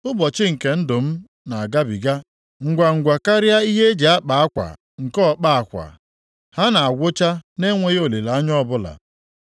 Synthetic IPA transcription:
ʊ˦bɔ˨t͡ʃɪ˦ŋ̩˨ke˨n̩˦dʊ˨m̩˦ | na˨a˨ɡa˦bi˨ɡa˦ | ŋ̩˨ɡʷa˨ŋ̩˨ɡʷa˨ka˦ɾja˦i˦ɦe˦d͡ʒe˨a˦k͡pa˨a˦kʷa̰˨ | ŋ̩˨kɔ˦k͡pa˦a˨kʷa̰˨ | ha˦na˨a˨ɡʷʊ˦t͡ʃa˦ne˦ŋʷe˦ɣo˨le˨la˨a˦ɲ˦ɔ˦bʊ˦la̰˨

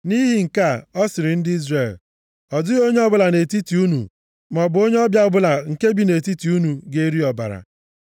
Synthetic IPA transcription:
ni˦ɦi˨ŋ̩˨ka˦˨ɔ˦sɪ˨ɾɪ˨n̩˦dɪ˦i˦zre˨l | ɔ˨dʊ˦ɣo˦ɲe˦ɔ˦bʊ˦la˨ne˨ti˦ti˨u˦nṵ˨ | mɔ˨bʊ˨o˦ɲe˦ɔ˦bja˦ɔ˦bʊ˦la˨ŋ̩˨ke˦bi˨ne˨ti˦ti˨u˦nu˨ɡe˦ɾi˦ɔ˨ba̰˨ɾa̰˨

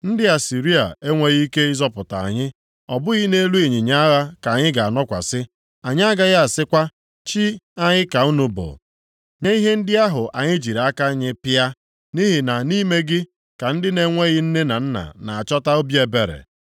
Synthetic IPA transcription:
n̩˦dɪ˦a˨si˨ɾi˦a̰˨e˦ŋʷe˦ɣi˦i˦ke˦ɪ˦zɔ˦pʊ˨ta̰˨a̰˨ɲɪ˦ | ɔ˨bʊ˦ɣɪ˦ne˦lu˦e˨ɲɪ˨ɲa˦a˦ɣa˦ka˨ɲɪ˦ɡa˨a˨nɔ˦kʷa̰˨sɪ˦ | a˨ɲɪ˦a˦ɡa˦ɣa˦a˨sɪ˦kʷa˦ | t͡ʃi˦a˦ɲɪ˦ka˨u˦nu˦bo̰˨ | ɲe˦i˦ɦe˦n̩˦dɪ˦a˦ɦʊ˨ʔa˨ɲɪ˦d͡ʒi˨ɾa˦ka˦ɲɪ˦pɪ˦a˦ | ni˦ɦi˨na˨ni˦me˦ɡɪ˦ | ka˨n̩˦dɪ˦ne˦ŋʷe˦ɣɪ˦n̩˦ne˦na˨n̩˦na̰˨na˨a˨t͡ʃɔ˦ta˦o˦bji˦e˨be˨ɾḛ˨

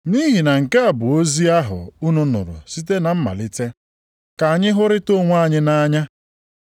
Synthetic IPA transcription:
ni˦ɦi˨na˨ŋ̩˨ka˦a˨bʊ˨o˦zi˦a˦ɦʊ̰˨u˦nʊ˦nʊ̰˨ɾʊ̰˨si˦t̬e˦na˨m̩˦ma̰˨lɪ˦te˦ | ka˨a˨ɲɪ˦ɦʊ˦ɾɪ˦to˦ŋʷa˦˨ɲɪ˦na˦ɲa˦

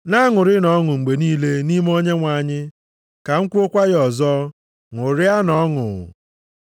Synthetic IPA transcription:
na˦ŋʊ˨ɾɪ˦nɔ˨˦ŋʊ˨ŋ͡m̩˨ɡ͡be˨niː˦le˦ni˦m˦o˦ɲe˦ŋʷa˨ɲɪ˦ | ka˨ŋ̩˦kʷu˦o˦kʷa˦ɣɔ˨zɔ˦ | ŋʊ˨ɾɪ˦a˦nɔ˦ŋʊ̰˨

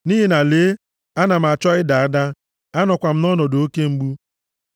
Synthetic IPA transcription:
ni˦ɦi˨na˨leː˨˦ | a˦na˨m̩˨a˨t͡ʃɔ˦ɪ˦da˨a˦da˦ | a˦nɔ˨kʷa˨m̩˦nɔ˦nɔ˨do˦ke˦ŋ͡m̩˦ɡ͡bu˦

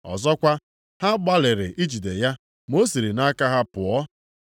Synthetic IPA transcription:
ɔ̰˨zɔ˦kʷa˦ | ha˦ɡ͡ba˦lɪ˨ɾɪ˨ʔi˦d͡ʒi˨de˨ja˦ | mo˦si˨ɾi˨na˦ka˦ɦa˦pʊ˨ɔ˦

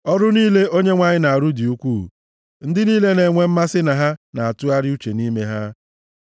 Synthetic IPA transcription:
ɔ˦ɾʊ˦niː˦le˦ʔo˦ɲe˦ŋʷa˦ɲɪ˦na˨a˨ɾu˦di˨u˦kʷu˦˨ | n̩˦dɪ˦niː˦le˦ne˨ŋʷe˦m̩˦ma˦sɪ˦na˨ɦa˦na˨a˨tʊ˦a˦ɾɪ˦u˦t͡ʃe˨ni˦me˦ɦa˦

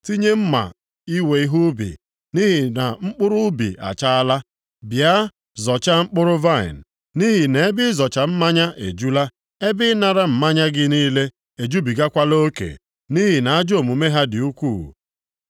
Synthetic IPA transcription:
ti˦ɲe˦m̩˦ma̰˨ | i˦we˨i˦ɦu˦bḭ˨ | ni˦ɦi˨na˨ŋ͡m̩˦k͡pʊ˦ɾʊ˦bḭ˨a̰˨t͡ʃa˦a˦la˦ | bja˦ | zɔ˨t͡ʃa˦ŋ͡m̩˦k͡pʊ˦ɾʊ˦va˦˨ḭ˨n̩˨ | ni˦ɦi˨ne˨e˦bɪ˦zɔ˨t͡ʃa˨m̩˦ma˦ɲa˦ʔḛ˨d͡ʒu˦la˦ | e˦bɪ˦na˨ɾa˦m̩˨ma˦ɲa˦ɡɪ˦niː˦le˦ | e˨d͡ʒu˦bi˨ɡa˦kʷa˦lo˦kḛ˨ | ni˦ɦi˨na˨a˦d͡ʒo˨mu˨me˦ɦa˦dɪ˨u˦kʷu˦˨

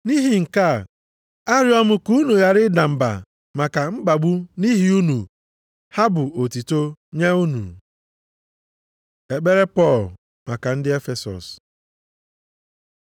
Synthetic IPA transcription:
ni˦ɦi˨ŋ̩˨ka˦˨ | a˦ɾɪ˦ɔ˦mʊ˦ku˦nu˨ja˦ɾɪ˦da˨m̩˨ba̰˨ | ma˨ka˨ŋ͡m̩˦ɡ͡ba˨ɡ͡bu˦ni˦ɦi˦u˦nu˨ | ha˦bʊ˨o˨ti˨to˦ɲe˦u˦nṵ˨ | e˨ɡ͡be˦ɾe˦pɔ˦˨l | ma˨ka˨n̩˦dɪ˦e˦fe˨sɔ̰˨s

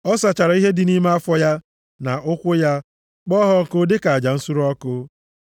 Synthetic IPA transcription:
ɔ˦sa˨t͡ʃa˨ɾa˨i˦ɦe˦dɪ˨ni˦me˦a˦fɔ˦ja˦ | na˨ʊ˦kʷʊ˦ja˦ | k͡pɔ˦ɦɔ˦˨kʊ˦dɪ˦ka˨a˨d͡ʒa˨n̩˦su˦ɾu˦ɔ˦kʊ˦

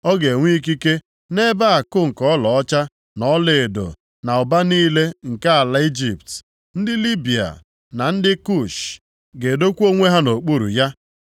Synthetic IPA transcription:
ɔ˦ɡe˨ŋʷi˦i˦k̬i˦ke˦ | ne˦ba˦a˨kʊ˦ŋ̩˨kɔ˦lɔ˨ɔ˦t͡ʃa˦ | nɔ˨˦le˨e˨do̰˨ | na˨ʊ˨ba˦niː˦le˦ŋ̩˨ka˦a˨la˨i˦d͡ʒi˨p̚t | n̩˦dɪ˦li˦bi˨a̰˨ | na˨n̩˦dɪ˦ku˦˨ʃ | ɡe˨do˦kʷu˦o˦ŋʷe˦ɦa˦no˨k͡pu˦ɾṵ˨ja˦

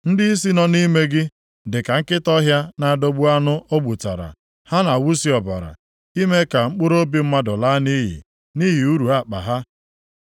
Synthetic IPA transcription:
n̩˦dɪ˦i˦s̬i˦nɔ˨ni˦me˦ɡɪ˦ | dɪ˨ka˨ŋ̩˦kɪ˦tɔ˦ɦja˦na˨a˨do˦ɡ͡bu˦a˦nʊ˦ʔo˦ɡ͡bu˨ta̰˨ɾa̰˨ | ha˦na˨wu˦si˨ɔ˨ba̰˨ɾa̰˨ | i˦me˦ka˨ŋ͡m̩˦k͡pʊ˦ɾo˦bi˦m̩˦ma˦dʊ˨la˦ni˦ɦḭ˨ | ni˦ɦi˨u˦ɾu˨a˦˨k͡pa̰˨ɦa˦

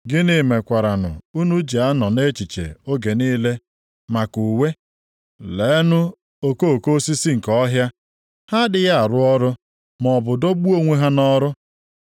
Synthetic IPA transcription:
ɡɪ˦ni˦me˨kʷa˨ɾa˨nʊ̰˨u˦nu˦d͡ʒi˨a˦nɔ˨ne˦t͡ʃi˨t͡ʃḛ˨o˦ɡe˨niː˦le˦ | ma˨ku˨we˦ | le˨˦nʊ˦ | o˦ko˦˨ko˦si˦si˦ŋ̩˨kɔ˦ɦja˦ | ha˦dɪ˨ɣa˦a˨ɾʊ˦ɔ˦ɾʊ˦ | mɔ˨bʊ˨do˦ɡ͡bu˦o˦ŋʷe˦ɦa˦nɔ˦ɾʊ˦

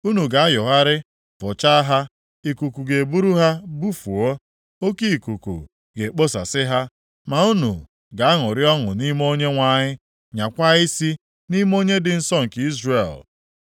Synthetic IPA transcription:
u˦nu˨ɡa˨a˦jʊ˨ɦa˦ɾɪ˦ | fʊ˨t͡ʃa˦a˦ɦa˦ | i˨ku˨ku˨ɡe˨bu˦ɾu˦ɦa˦bu˦fu˨o˦ | o˦ki˦i˨ku˨kṵ˨ | ɡe˨k͡po˦sa̰˨sɪ˦ɦa˦ | ma˨u˦nṵ˨ | ɡa˨a˦ŋʊ˨ɾɪ˦ɔ˦ŋʊ̰˨ni˦m˦o˦ɲe˦ŋʷa˨ɲɪ˦ | ɲa˨kʷa˦i˦si˦ | ni˦m˦o˦ɲe˦dɪ˨n̩˦sɔ˦ŋ̩˨ki˦zre˨l

